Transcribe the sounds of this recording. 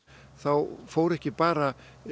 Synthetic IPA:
θawfowɾɛhcɪpaːɾa

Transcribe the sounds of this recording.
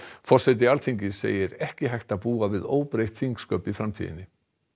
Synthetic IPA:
fɔr̥sɛt̪̬ɪalt̪ʰiɲcɪsḛːjɪɾɛhcɪɦajht̪aðpuːavɪðoːwpɾejht̪θiŋkskœːpifɾamt̪ʰḭːðɪ̰nːɪ

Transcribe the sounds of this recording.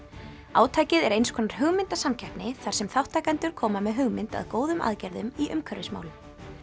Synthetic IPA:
a̰ːwt̪ʰaːjcɪðɛɾejnskʰɔːnaɾ̥hʏɣmɪnt̪asamcʰajpnɪθaɾ̥sɛmθawht̪ʰːaːjkant̪ʏɾ̥kʰɔːmamɛðɦʏɣmɪnt̪a̰ðkoːwðʏma̰ðcɛɾðʏmiʔʏmkʰœɾɪsma̰wlʏm

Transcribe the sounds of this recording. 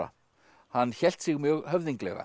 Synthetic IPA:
a̰ | hanːçɛl̥t̪sɪɣmjœɣhœvðiŋklɛ̰ɣa̰

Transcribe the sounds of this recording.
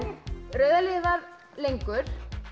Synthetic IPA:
rœːɥðalɪvað | lejŋkʏɾ̥

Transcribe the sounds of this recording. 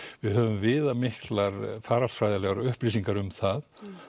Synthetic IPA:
vɪðɦœːvʏmvɪːðamɪhklaɾfaːɾalsfɾajðalɛɣaɾʏhpliːs̬iŋkaɾʏmθað

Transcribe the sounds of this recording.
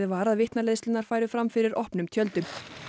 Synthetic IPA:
ðɪvaːɾaðvɪht̪naleːðst̪ɪnaɾ̥faːjɾʏfɾamfɪɾɪɾɔhpnʏmt̪ʰjœlt̪ʏm

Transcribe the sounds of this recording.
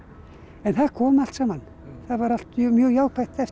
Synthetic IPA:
ɛnθaðkʰɔːmal̥t̪sɛmanː | θaðvaɾal̥t̪ːmjœːɣjaːwkpʰajht̪ɛf

